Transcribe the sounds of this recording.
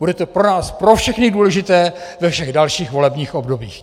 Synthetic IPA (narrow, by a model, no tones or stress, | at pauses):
budɛt̪opɾo̞naːspɾo̞fʃɛxnɪduːlɛʒɪt̪ɛːvɛfʃɛɣdalʃiːxvo̞lɛbɲiːxʔo̞bdo̞bḭːx